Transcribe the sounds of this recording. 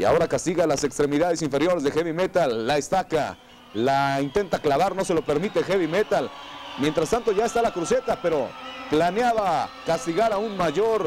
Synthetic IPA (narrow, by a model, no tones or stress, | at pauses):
ia̰o̞ɾakast̪iɣalase̞kst̪ɾe̞miðaðe̞siɱfe̞ɾjo̞ɾe̞zðexeβime̞t̪alːaest̪aka | laint̪e̞nt̪aklaβaɾno̞se̞lo̞pe̞ɾmit̪e̞xeβime̞t̪al | mje̞nt̪ɾast̪ant̪o̞ʝae̞st̪alakɾuse̞t̪ape̞ɾo̞planjaβakast̪iɣaɾaunmaʝo̞ɾ